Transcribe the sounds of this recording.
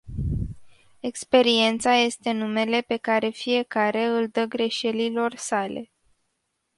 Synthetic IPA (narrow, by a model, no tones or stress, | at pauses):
e̞kspe̞ɾie̞nt̪saje̞st̪e̞nume̞le̞pe̞kaɾe̞fije̞kaɾe̞ɨld̪əɡɾe̞ʃe̞lilo̞rsale̞̰